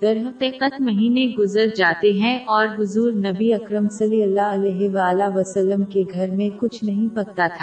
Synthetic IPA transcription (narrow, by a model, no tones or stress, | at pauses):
d̪̥ɐɾɦɐqiːqət̪mɐɦiːneɡʊzəɾd͡ʒaːt̪eɦɛ̃ʔɔːɾɦʊzuːɾnɐbiɐkɾəmsɐliəlːaɐlɛːɦɪʋaːlaʋɐsəlːəmkeɡʱɐɾmẽkʊt͡ʃʰnɐɦĩpɐɡ̚t̪at̪ʰa